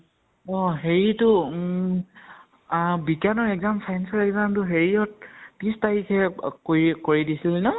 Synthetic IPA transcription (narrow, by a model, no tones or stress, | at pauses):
ɔɦeɹitʊ | bikanɔɹɛkzamfʰajnsɔɹɛkzamtʊɦeɹiɔt̚pistaɹikʰɛkoɹikoɹidisilnɔ